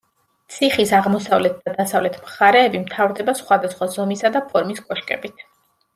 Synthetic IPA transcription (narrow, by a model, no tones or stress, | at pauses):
t̪sʰiχisaʁmɔsavlɛt̪̚d̪̥ad̪asavlɛt̪ʰmχaɾɛːbimt̪ʰavɾd̪ɛbasχwad̪asχwazɔmisad̪apʰɔɾmiskʼɔʃkʼɛ̰bit̪ʰ